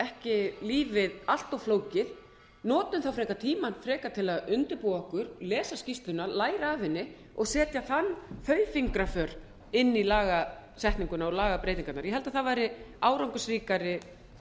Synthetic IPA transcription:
ɛhcɪliːvɪðal̥t̪ɔɣfloːwcɪð | nɔːt̪ʏmθawfɾɛːkat̪ʰiːmanfɾɛːkat̪ʰɪlaðʏnt̪ʏɾpuaɔhkʏɾlɛːsascist̪lʏnalaːjɾaːvɪnːɪ | ɔɣsɛːt̪jaθanːθœːɥfiŋkɾafœɾ̥ | ɪnːilaːɣasɛht̪niŋkʏnaɔlaːɣapɾejt̪iŋkat̪naɾjɛhɦɛlt̪aðθavaːjɾɪaːwɾawŋkʏsriːkaɾɪ

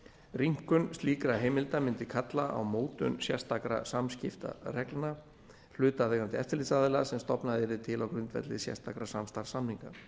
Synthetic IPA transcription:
ɾiŋ̥kʏnst̪liːkɾaɦeːjmɪlt̪amɪnt̪ɪkʰat̪laa̰wmoːwt̪ʏ̰nsjɛ̰st̪akɾa̰samscɪft̪a̰rɛklna | l̥ʏːt̪aðɛɣɾant̪ɪɛft̪ɪlit̪saːðɪlasɛmst̪ɔpnaðɛɾɪt̪ʰɪlawkɾʏnt̪vɛ̰t̪lɪsjɛ̰st̪akɾasamst̪aɾ̥samniŋka̰

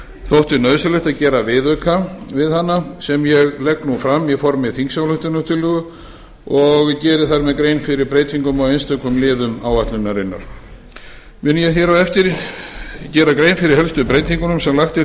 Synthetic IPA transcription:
θowht̪ʏnœːðsɪlʏht̪aðcɛːɾavɪðœkʰavɪðhanːasɛmjɛɣlɛknufɾamːjɛɣfɔɾmɪðθiŋksawlʏht̪ʏnʏt̪ʰɪlʏːɣʏ | ɔɣcɛːɾɪθaɾmɛðkɾejnfɪɾɪɾpɾejt̪ʰiŋkʏmawejnst̪œkʏmlɪːðʏmaːwat̪lʏnːaɾɪnːa̰ɾ̥ | mʏnʏjɛθjɛɾawɛft̪ɪɾ | cɛːɾakɾejnfɪɾɪɾ̥hɛlst̪ʏpɾejt̪iŋkʏnʏmsɛmlaxt̪ɪ

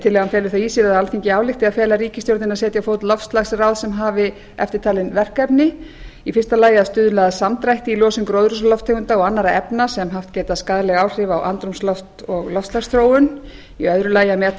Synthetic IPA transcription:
t̪ʰɪlɛɣanfjɛːlʏθaiːsiɾaðalθiɲcɪaːwlɪxt̪ɪaðfɛːlaɾiːcɪst̪jowɾt̪nɪnaðsɛːt̪jafowt̪lɔfst̪laɣsrawðsɛmɦaːvɪ | ɛ̰ft̪ɪɾ̥t̪ʰaːlɪnvɛr̥kɛpnɪ | ifɪr̥st̪alaːjɪaðst̪ʏðʏlaːðasamt̪ɾajht̪ɪilɔːsɪnkɾowðɾʏslɔft̪ʰːekʏnt̪aɔɣanːaɾaɛpnasɛmɦaft̪cɛːt̪askaːðlɛɣaːwr̥ɪvawʔa̰nt̪ɾumslɔft̪ɔɣlɔfst̪laxst̪ɾoːwʏn | iœðɾʏlaːjamɛː

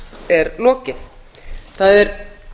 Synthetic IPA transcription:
ɛɾlɔːcɪθ | θaðɛɾ

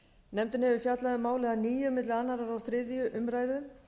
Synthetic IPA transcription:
nɛmt̪ʏnhɛvʏfjat̪laðʏmaːwlɛɣaniːjʏmɪt̪lɪanːaɾaɾawθɾɪðjʏʔʏmɾaːjðʏ

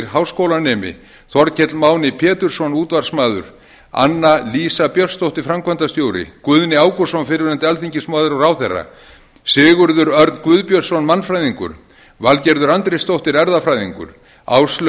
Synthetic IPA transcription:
ɾɦawskowlanɛːmɪ̰ | θɔɾcʰɛt̪lmaːwnɪpʰɛːt̪ʏɾ̥sɔnuːt̪var̥smaːðʏ̰ɾ̥ | a̰nːaliːsapjœl̥st̪owht̪ɪɾfɾamkʰvant̪ast̪joːwɾɪ̰kʏðnɪaːwkɔ̥sɔnfɪɾvɪɾant̪ɪalθiɲcɪsmaːðɪɾɔɾawθɛrːa̰ | sɪːɣʏɾðʏɾœɾðkvʏðpjœɾsɔnmanːfɾajðiŋkʏ̰ɾ̥ | valcɛɾðʏɾant̪ɾɪst̪owht̪ɪɾɛɾðafɾaːjðiŋkʏ̰ɾ̥ | a̰ːwsl

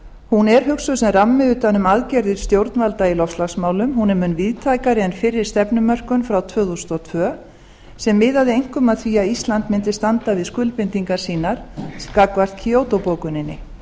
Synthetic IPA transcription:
hunɛɾ̥ɦʏksʏsɛmramːɪʏt̪anʏmaðcɛɾðʏɾ̥st̪jowɾt̪nvalt̪ailɔfst̪laxsmaːwlʏmhunɛmʏnːviðt̪ʰaːjkaɾɪɛnfɪɾːɪɾ̥st̪ɛpnʏmœr̥kʏnfɾawt̪ʰvœːðust̪ɔt̪ʰvœː | sɛmːɪːðaðɪejŋ̥kʏmaðθviːaist̪lant̪mɪnt̪ɪ̥st̪ant̪avɪðskʏlpɪnt̪iŋkaɾ̥siːnaɾ̥skakvar̥t̪cʰiowt̪opowkʏnɪnːɪ̰

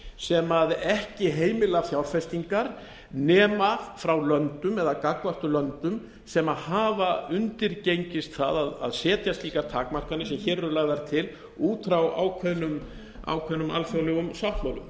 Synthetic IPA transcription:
sɛmaðɛhcɪɦeːjmɪlafjawɾfɛst̪iŋkaɾ | nɛːmafɾawlœnt̪ʏmɛðakakvaht̪ʏlœnt̪ʏm | sɛmaðhaːvaʏnt̪ɪɾcejɲcɪst̪θa̰ðaða̰ðsɛːt̪jast̪iːkat̪ʰaːkmar̥kanɪsɛmçɛrːʏlaːɣðaɾt̪ʰɪl | uːt̪ʰɾawa̰ːwkʰvœðnʏm | a̰wkʰvœðnʏma̰lfjɔɣlœːɣʏmsawht̪mawlʏ̰m

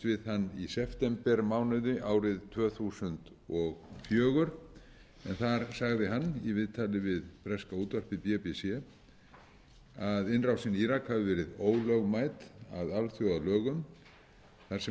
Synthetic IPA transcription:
vɪðhanːisɛft̪ɛmpɛɾmaːwnɪðɪʔaːwɾɪðt̪ʰvœːθusʏnt̪ | ɔɣfjœːɣʏɾ̥ | ɛ̰nθaɾ̥saɣðɪɦanːivɪðt̪ʰaːlɪvɪðpɾɛskauːt̪vœr̥pɪpɛpɛsɛ | aðɪnrawsiniːɾakʰhavʏvɛːɾɪðoːwlœɣmaːjt̪a̰ðalθjɔɣalœːɣʏm | θaɾsɛ

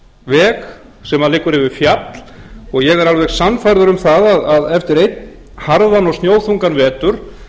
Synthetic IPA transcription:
vɛːk | sɛmaðlɪkːʏɾɛvɪfjat̪l̥ɔɣjɛɣɛɾalvɛɣsanfajɾðʏɾʏmθaðaðaðɛft̪ɪɾejt̪n | haɾðanːɔɣst̪joːwθuŋkanvɛːt̪ʏɾ̥

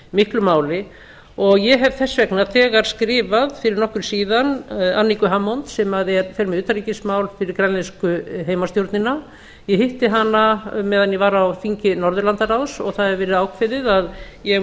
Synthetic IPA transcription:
mɪhklʏmaːwlɪ | ɔɣjɛɦɛvθɛsːvɛknaθʰɛːɣaɾ̥skɾɪːvaðfɪɾɪɾnɔhkʏɾ̥siːðananːikʏɦamːɔnt̪sɛmaðɛɾfɛɾmɪðʏːt̪aɾlicɪsmaːwlfɪɾɪɾkɾanlɛnskʏɦeːjmast̪jowɾt̪nɪna | jɛhɪht̪ɪɦanːamɛːðanjɛvaːɾawfiɲcɪnɔɾðʏɾlant̪aɾawsɔ̰ɣθaðɛvɛːɾɪðaːwkʰvɛðɪðaðjɛ

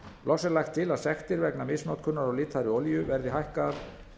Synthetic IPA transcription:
lʔɔxsɛɾlajxt̪ʰːɪlaðsɛxt̪ɪɾvɛknamɪsnɔwt̪̚kʰʏnːaɾawlɪːt̪ʰaɾɪɔljʏvɛɾðɪɦajhka

